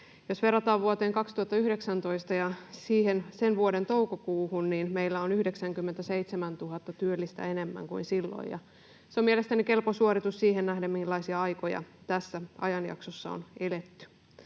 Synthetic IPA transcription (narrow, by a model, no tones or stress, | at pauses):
josʋe̞rɑt̪ɑːʋʋuot̪eːŋkɑkst̪uhɑt̪ːɑyhde̞ksænt̪o̞ist̪ɑjɑsiːhensenʋuoɾe̞nt̪o̞wkokuːhunniːnmeijlːæonyhdeksæŋkymːent̪æse̞it̪semænt̪uɦɑt̪ːɑt̪yølːist̪æ̰ene̞mːæ̰ŋkuinsilːo̰jjɑ̰ | seomielest̪ænike̞lposuoɾit̪ussiːɦennæhdæmminlːɑisiɑɑjkojɑ̰t̪æsːæɑ̰jɑnjɑ̰ksosːɑo̰nelet̪ːy̥